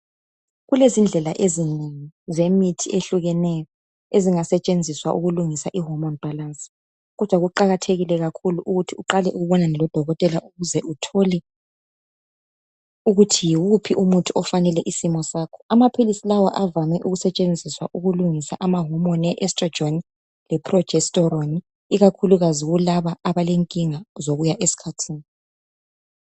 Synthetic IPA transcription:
ɣulezind͡ɮʱɛlaʔezineŋizemitʰieɬuɣɛnɛjɔ | eziŋasɛt͡ʃʼend͡zʱiswa̰ʔuɣuluŋisaʔiɦɔmɔnb̥ʱalans | ɣɔd̥ʱwaɣuǃaɣatʰeɣilɛɣakʰuluʔuɣutʰiuǃalɛʔuɣuβɔnaŋɛlɔd̥ʱɔɣɔtʼɛlaʔuɣuzɛutʰolɛ | uɣutʰijiwupʰiʔumutʰuɔfanɛlɛʔisimɔsaːkʰɔ̥amapʰilisilawaʔavamɛʔuɣusɛt͡ʃʼend͡zʱiswa̰ʔuɣuluŋisa̰ʔamaɦumɔnɛʔɛstrɔ̥oni | lɛpʰrɔ̥d͡ʒɛstʼɔɾoni | iɣakʰuluɣaziɣulaβaaβaleŋkʼiŋazoɣujaʔesi̥kʰatʰiːni

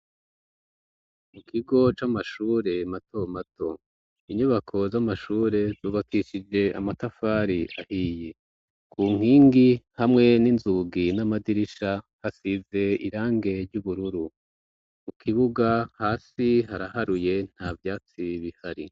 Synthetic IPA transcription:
mukʰiɡo̞t͡ʃamaʃuːɾe̞matomatʰo̞ | iɲuβakʰo̞zamaʃuːɾe̞zuːβakiʃid͡ʒe̞a̰matafaːɾiahiːje̞ | kʰuːŋ̥hiːŋɡihamŋe̞ninzuɡinamadiɾiʃa | hasize̞ḭɾaːŋɡe̞ɾɟuβuɾuɾu | mukʰiβuɡahaːsiɦaɾahaɾuje̞n̥haːvjaːt͡siβihaɾi

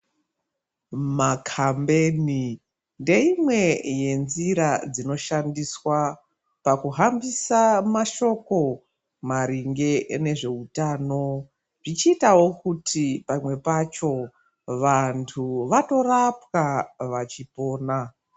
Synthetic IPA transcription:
makʰambe̞ːni | nde̞imwe̞je̞nziɾad͡zino̞ʃandiswa | pakuɦambisamaʃo̞ko̞ | maɾiŋɡe̞ne̞ʐe̞utaːno̞ | ʐit͡ʃiːtawo̞kutʰipamwe̞pat͡ʃo̞ | ʋantʰuʋato̞rapkaʋat͡ʃipo̞ːna

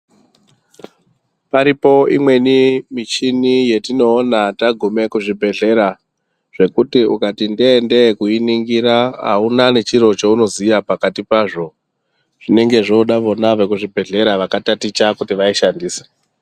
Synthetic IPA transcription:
paɾipo̞imwe̞nimit͡ʃinije̞tino̞ːnataɡʱume̞kuʐibʱe̞ɮe̞ɾa | ʐ̥e̞kutiʔukatindeːnde̞kuiniŋɡiɾaɦa̰unane̞t͡ʃiɾo̞t͡ʃouno̞zijapakatipaʐo̞ | ʐ̥ine̞ŋɡe̞ʐouɗaʋo̞naʐekuʐibʱe̞ɮe̞ɾaʋakatatit͡ʃakutiʋaiʃandiːse̥

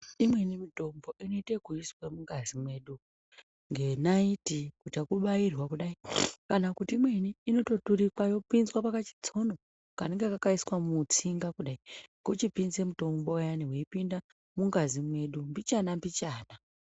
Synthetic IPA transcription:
imwe̞nimito̞mbo̞ʔino̞itekuiswemuŋɡazimwe̞ɗu | ŋɡe̞naitikutiakuɓairwakuɗaikanakutiːmwe̞niːno̞to̞tuɾikajo̞pinzwapakat͡ʃi̥t͡so̞no̞ | kaneŋɡeakakaiswamut͡siŋɡakuɗaiɡot͡ʃipinzemuto̞mbojaniweipinda | muŋɡazimwe̞ɗumbit͡ʃanambit͡ʃaːna

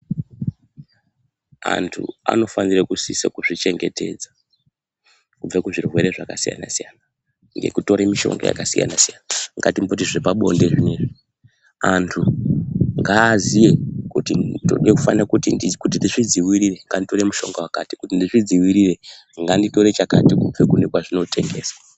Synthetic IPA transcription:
a̰ntʰṵa̰no̞fanirekusisekuʐit͡ʃe̞ŋɡe̞te̞̰d͡za | kub͡vakuʐirwe̞ɾe̞ʐakasija̰na̰sijana | ŋɡe̞̰kuto̞ɾemiʃo̞̰ŋɡo̰ja̰kasija̰nasijanaŋɡatimbot̬iʐepaɓo̞̰nde̞ʐineʐi | antʰu | ŋɡaːzije̞kutido̰ɗjekufanirakutinikut̬indiʂid͡ziwiɾire̞ŋɡandito̞ɾe̞muʃo̞̰ŋɡawakati̥kutindiʐid͡ziwiɾire̞ | ŋɡandito̞ɾe̞t͡ʃakatikub͡vekune̞kwaʐino̞tʰe̞ŋɡe̞̰ːsa

